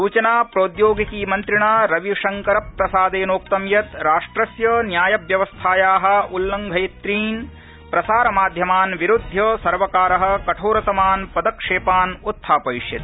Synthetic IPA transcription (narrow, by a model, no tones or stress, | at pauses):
suːt͡ʃɐnaːpɾoːd̪joːɡikiːmɐnt̪ɾiɳaːɾɐʋiʂɐŋkɐɾɐpɾɐsaːd̪eːnoːk̚t̪ɐmjɐt̪ɾaːʂʈɾɐsjɐnjaːjɐbjɐʋɐst̪ʰaːjaːɦɐ̆ulːɐŋɡʱɐjɐt̪ɾiːn | pɾɐsaːɾɐmaːd̪ʱjɐmaːnʋiɾud̪ʱjɐsɐɾʋɐkaːɾɐɦɐ̆kɐʈʰoːɾɐt̪ɐmaːnpɐd̪ɐkʂeːpaːnut̪ʰːaːpɐiʂjɐt̪i